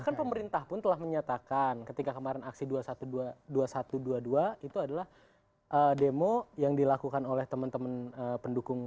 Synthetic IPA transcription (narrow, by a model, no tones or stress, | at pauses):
ahkanpəməɾint̪ahpʊnt̪əlahməɲat̪akankət̪ikakəmaɾɛnaksiduasat̪uduaduasat̪uduaduait̪uadalah | ʔədemojaŋdilakukanolɛht̪əmənt̪əmənəpəndukʊŋ